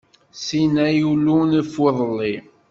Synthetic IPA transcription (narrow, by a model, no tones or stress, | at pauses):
sinæjulunfweðˤəlːi